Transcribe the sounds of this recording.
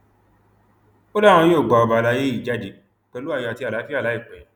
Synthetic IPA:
o˦la˦w̃ɔ̃˧je˦˨ɡ͡ba˨ɔ˧˨ba˨˧la˧˦je˦i˦˨d͡ʒa˦di˦˨ | kɛ̃˨˧lu˦a˦˨jɔ˧a˨ti˧˦a˨la˨˦fi˦a˦˨la˨˦i˦˨k͡pɛ̃˨ɛ̃˨

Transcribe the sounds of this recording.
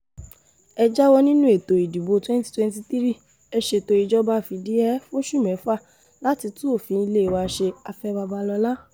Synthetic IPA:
ɛ˧d͡ʒa˦wɔ˦nĩ˦nũ˦e˦˨to˨i˨du˨bo˨˧˦twɛ̃˦ti̥˦twɛ̃˦n˦ti˧tθi˦ɾi˦˨ | ɛ˧ʃe˧˨to˧i˧d͡ʒɔ˦ba˦˨fi˧di˦ɛ˦fo˦ʃu˦˨mɛ̃˨˦fa˦˨ | la˦ti˧tĩ˦o˦˨fĩ˨˧˦i˧le˦i˨wa˧ʃe˧a˧fɛ˧ba˧ba˧lɔ˧la˦

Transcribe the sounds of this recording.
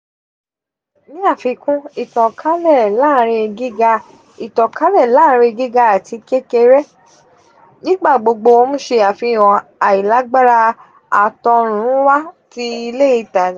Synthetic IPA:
nĩ˦a˦˨fi˧kũ˦i˦˨tɔ̃˨kʰa˦lɛ˦˨laː˦˨ɾ̃ĩ˧e˧ɡi˦ɡa˧ | i˨tɔ̃˨ka˨˦lɛ˦˨laː˦˧ɾ̃ĩ˧ɡi˦ɡa˧a˨ti˨˧ke˦ke˧ɾɛ˦ | nĩ˦ɡ͡ba˦˨ɡ͡bo˧ɡ͡bo˧o˧mũ˦ʃe˧a˨fi˧˨w̃ɔ̃˨a˨i˨la˨˦ɡ͡ba˦ɾa˧ | a˨tɔ˧ɾ̃ũ˨˦wa˦ti˦i˧le˦i˧ta˨˦

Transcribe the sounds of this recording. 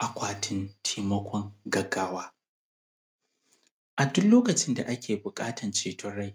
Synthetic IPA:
ʔa˨kʷaː˨tʰɪ˦ntʰiː˦mɐ˦kʷɔ˦ŋɡɐ˨ɡaː˦waː˦ | ʔa˨dʊ˦kloː˦kɐ˨t͡ʃɪ˦nda̰˨ʔa˦kʲʰeː˨bʊ˨kʼaː˦tʰɐ˨nt͡ʃeː˨tʰʊ˦ɽa˦j

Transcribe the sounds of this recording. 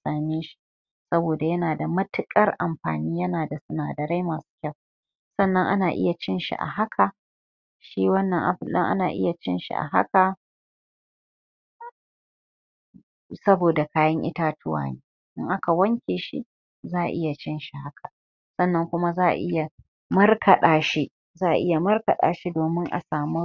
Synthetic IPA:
saː˨meː˦ʃi̥˦ | sɐ˦boː˨da˨jɐ˦naː˨da˨mɐ˦tɪ˦kʼɐ˦rʔa˨mɸa̰ː˨niː˦jɐ˦naː˨da˨sʊ˨naː˨dɐ˨ɾa˦jmaː˨su̥ː˦kʲa˦˨w | sɐ˦nːɐ˦ŋʔa̰˦naː˨ʔɪ̰˦ja˨t͡ʃɪ˦nʃḭ˨ʔa̰˨ɦa˦kʰa˨ | ʃiː˦wɐ˦nːɐ˨ŋʔa̰˨ɸɪ˦˨lɗɐ̰˦ŋʔa̰˦naː˨ʔɪ̰˦ja˨t͡ʃɪ˦nʃḭ˨ʔa̰˨ɦa̰˦ka˨ | sɐ˦boː˨da˨kaː˦jɐ˦ŋʔɪ̰˦ta˦tʊ˦wa̰ː˨neː˦ | ʔɪ˦ŋʔa˦ka˨wɐ˦ŋkʲeː˨ʃḭ˦ | zaː˦ʔa̰˨ʔɪ˦ja˨t͡ʃɪ˦nʃi˨ha˦kʰa˨ | sɐ˦˨nːɐ˦ŋkʷʊ˦ma˦zaː˦˨ʔa̰˨ʔɪ˦ja˨ | mɐ˦rkʰɐ˨ɗaː˨ʃi˦ | zaː˦˨ʔa̰˨ʔɪ˦ja˨mɐ˦rkɐ˨ɗa̰ː˨ʃi˦doː˨mɪ˦ŋʔa̰˨saː˨mu˦

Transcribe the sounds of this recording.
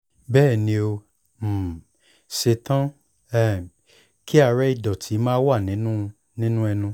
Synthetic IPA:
bɛː˦˨nĩ˧˦o˧˨ | se˧tã˦ | ɛ˦˨ | ki˦a˧˨ɾɛ˦i˦˧˨dɔ̃˨tʰi˨˦mãː˦wa˦˨nĩ˨˦nũ˦˧ | nĩ˦nũ˦ɛ˧nũ˧

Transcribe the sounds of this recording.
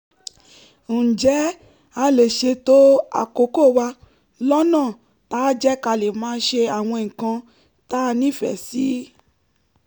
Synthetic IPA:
d͡ʒɛ˨˦ | a˧le˨ʃe˧to˦a̰˨ko˨˦ko˦˨wa˧ | lɔ˦nãː˦˨ | ta˨˦d͡ʒɛ˦ka˧le˨mãː˦˧n̩˦ʃe˧a˨w̃ɔ̃˧˨ŋ̩˨kã˧ | ta˦˧nĩ˦˨fɛ̰˨si˨˦

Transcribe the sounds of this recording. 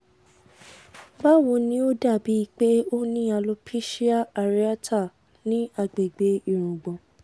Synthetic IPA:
ba˦wo˧nĩ˦o˦da˦˨bi˨˦i˧k͡pe˦o˦nĩ˦a˧lo˧pʰi˦ʃi˦a˦a˧ɾi˦a˦tʰa˦˨ | nĩ˨˦a˧˨ɡ͡be˨ɡ͡be˨i˨ɾ̃ũ˨ɡ͡bɔ̃˨

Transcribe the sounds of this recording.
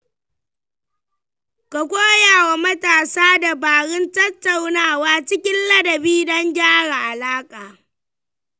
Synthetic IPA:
ka˨kʷʼoː˦jaː˨wa˨mɐ˦taː˨saː˦da˨baː˨ɽɪ˦ntɐ˦tːa˨wnaː˦˨waː˦t͡ʃɪ˦kʲɪ˦nlɐ˦dɐ˨biː˦dɐ˦ŋɡʲaː˦ɽa˨ʔa˨laː˦kʼaː˨

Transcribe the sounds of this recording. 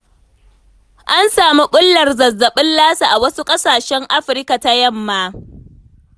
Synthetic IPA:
ʔa˦nsaː˨mi˦ɓʊ˦lːɐ˨rzɐ˨zːɐ˨ɓɪ˦nlaː˦sa˨ʔa˨wɐ˦su˦kʼɐ˦saː˨ʃɛ˦ŋʔa˦ɸɪ˨ɾka˨ta˦jɐ˦mːaː˦

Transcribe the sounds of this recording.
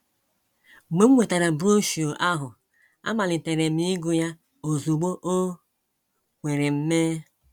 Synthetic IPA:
me˦m̩˦wʷe˨ta˨ɾa˨bo˦ʃo˨ʔa˦ɦʊ˨ | a̰˦ma˨li˨te˨ɾe˨mi˦ɡu˦ja˦ | o˨zu˨ɡ͡bo˦ʔo˦ | kʷe˨ɾe˨m̩˦me˦

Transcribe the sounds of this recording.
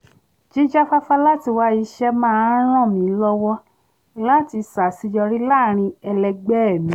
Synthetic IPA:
d͡ʒi˦d͡ʒa˦fa˦fa˦la˦ti˧wa˧i˧ʃɛ˧mãː˦˧˨ɾ̃ã˦˨mĩ˨˦lɔ˦wɔ˧ | la˦˨ti˧sa˨si˧jɔ˧ɾi˦la˦˨ɾ̃ĩ˧ɛ˧lɛ˧ɡ͡bɛ˦ɛ˨mĩ˨˦

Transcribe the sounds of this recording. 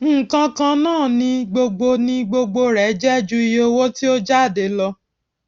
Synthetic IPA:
ŋ̩˦˨kã˧kã˧nãː˦˨nĩ˧ɡ͡bo˧ɡ͡bo˧nĩ˧ɡ͡bo˧ɡ͡bo˧ɾɛ˨˦d͡ʒɛ˦d͡ʒu˦i˧jo˧wo˦ti˦o˦d͡ʒa˦˨de˨˦lɔ˧

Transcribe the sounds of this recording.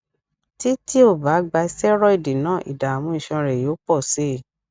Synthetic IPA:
ti˦ti˦o˦˨ba˨˦ɡ͡ba˧i˧sɛ˦ɾɔ˦i˦˨di˨nãː˦˨ʔḭ˨da˨mũ˧˦ĩ˨ʃã˧ɾɛ˨jo˨˦k͡pɔ˦˨se˦˨

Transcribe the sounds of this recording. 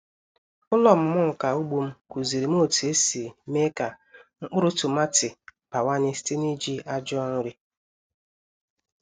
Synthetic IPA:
ʊ˦lɔ˨m̩˦mʊ˦ŋ̩˨ka˨u˦ɡ͡bu˦m̩˦ku˨zi˨ɾi˨m̩˦o˦˨te˦si˨me˦ka˨ | ŋ͡m̩˦k͡pʊ˦ɾʊ˦tʊ˨ma˦tɪ˨pa˨wa˦ɲɪ˦sti˦ni˦d͡ʒi˦a˦d͡ʒŋʊ˦ɾɪ˦

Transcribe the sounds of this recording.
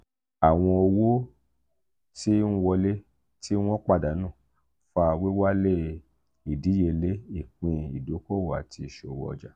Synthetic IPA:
a˨w̃ɔ̃˧o˧wo˦ | ti˦n̩˦wɔ˧le˦ | ti˦w̃ɔ̃˦k͡pa˦˨da˨˦nã˦˨ | fa˧we˦wa˦le˦ | i˨di˨˦je˧le˦i˦˨k͡pĩ˧i˨do˨˦ko˦˨wa˨ti˧˨ʃo˨wɔ̰˨˧d͡ʒa˨˦

